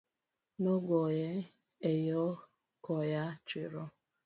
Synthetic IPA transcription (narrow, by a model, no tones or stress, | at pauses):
noɡɔje | ejɔ | kɔjat͡ʃiɾɔ